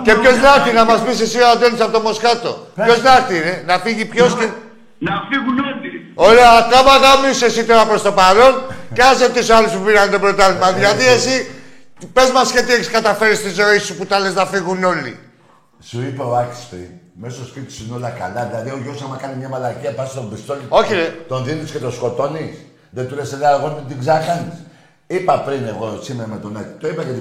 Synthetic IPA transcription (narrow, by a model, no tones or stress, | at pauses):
ce̞pço̞znɐɾt̪inɐmɐzpisesiat̪enisapot̪omo̞skɐt̪o̞̰pço̞znɐɾt̪inenɐfiʝipço̞ske | nɐfiɣunoli | o̞leɐkamaɣamisesit̪oɾapɾo̞st̪o̞paɾo̞nceaset̪usalispupiɾand̪ebɾot̪alimɐðʝaðiesi | pe̞zmɐsce̞t̪ieçiskɐt̪ɐfe̞ɾist̪izo̞isuput̪ɐleznɐfiɣuno̞lḭ | suipeoaki̥spɾḭn | mesospit̪i̥sinolɐka̰laðilaðioʝosamakanimɲamɐlaciɐpasst̪ombist̪olioçilet̪onðinisket̪oskot̪onis | ðet̪uleseleaɾɣont̪ut̪iɡzakanis | ipɐpɾineɣosimeɾamet̪onati̥t̪oipɐjet̪i